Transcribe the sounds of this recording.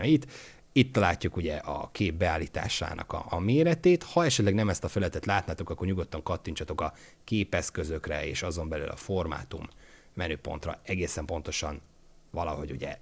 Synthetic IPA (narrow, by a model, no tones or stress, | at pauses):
ɒjit̪ | it̪ːɒlaːcːukuɟɛʔɒ̰keːb̚bɛaːlːiːt̪a̰ːʃa̰ːnʔɒ̰kɒ̰ːmeːɾɛt̪eːt̪hɒɛʃɛt̪lɛɡnɛmɛst̪ɒfɛlɛt̪ɛt̪laːt̪naːt̪o̞kɒkːorɲuɡo̞t̪ːɒŋkɒt̪ːiɲt͡ʃɒt̪o̞kɒ | keːpɛskø̞zø̞krɛḛːʃɒzo̞mbɛly̰lɒ̰fo̞rma̰ːt̪umː | ɛnøːpo̞̰nt̪rɒ̰ɛɡeːsɛmpo̞n̪t̪o̞ʃɒn | vɒlɒɦo̞ɟṵɟɛ̰